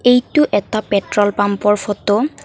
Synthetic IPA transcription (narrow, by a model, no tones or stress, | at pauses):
ejtʊʔɛtapɛtɹɔlpampɔɹfʰɔtɔ